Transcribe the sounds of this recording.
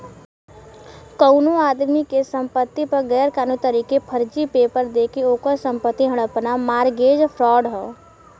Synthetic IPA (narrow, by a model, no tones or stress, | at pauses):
kəʊnoaːd̪mikesə̃mpət̪ːipəɾɡɛːɾkaːnut̪əɾiːkepʰəɾd͡ʒipeːpəɾd̪eːkeoːkəɾsə̃mpət̪ːiɦəɽ̃əpnamaːɾɡeːd͡ʒpʰɾɔːɖɦɛː